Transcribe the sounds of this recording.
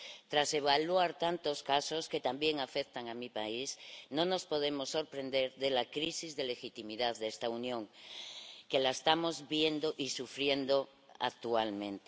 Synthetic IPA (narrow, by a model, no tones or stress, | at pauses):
t̪ɾase̞βalwaɾt̪ant̪o̞skaso̞ske̞t̪ambje̞ŋafek̚t̪aŋamipaisnõno̞spo̞ð̞e̞mo̞sːo̞ɾpɾe̞nd̪e̞ɾðe̞lakɾisizðe̞le̞xit̪imiðaððest̪aunjõ̞ŋ | ke̞laest̪amo̞zβjend̪oʔisufɾje̞nd̪o | a̰k̚t̪ualmẽ̞nt̪e